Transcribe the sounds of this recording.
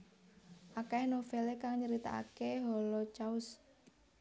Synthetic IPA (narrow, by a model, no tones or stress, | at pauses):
ʔakanofelekaŋɲəɾit̪a̰a̰keɦɔlɔt͡ʃaʊs